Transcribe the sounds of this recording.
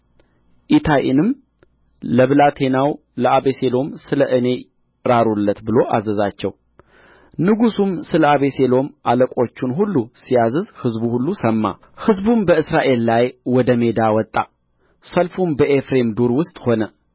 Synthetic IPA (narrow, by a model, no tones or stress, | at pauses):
ʔit̪ʰaʔḭnɨm | ləβlat̪ʰe̞naw | ləʔaβese̞lo̞msɨləʔɨne̞ | ɾaɾulːət̪bɨlo̞ʔazəzat͡ʃːɛw | nɨɡusumsɨləaβe̞selo̞mʔaləkʼo̞t͡ʃːunɦulːusijazɨzhɨzbuhulːusəmːa̰ | hɨzbumbəɨsɾaʔe̞lːajwɔd̪əme̞d̪awɔt̪ʼːa | səlfumbəʔefɾe̞md̪oɾwʊst̪ʼho̞nə